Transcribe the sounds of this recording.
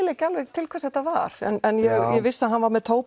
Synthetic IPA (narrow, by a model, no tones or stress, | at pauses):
leːjcalvɛɣt̪ʰɪlkʰvɛɾsθɛht̪ːava̰ɾ̥ɛ̰nɛnjɛjɛvɪsːaðɦanvaɾmɛðt̪ʰoːwp